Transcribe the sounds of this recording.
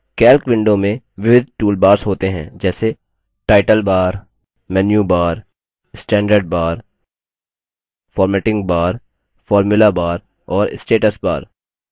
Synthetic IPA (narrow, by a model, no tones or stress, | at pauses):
kɛːlkʋɪ̃ɳɖõmẽ | ʋɪʋɪd̪̚ʱʈuːlbaːɾsɦoːt̪eɦɛ̰̃d͡ʒɛːse | ʈaːɪʈəlbaːɾ | mɛːnjubaːɾ | sʈɛ̃ːɳɖəɾɖ̚baːɾ | fʰɔːɾmɛːʈɪ̃ŋɡ̚baːɾ | fɔːɾmʊlabaːɾ | ɔːɾɪsʈeːʈəsba̰ːɾ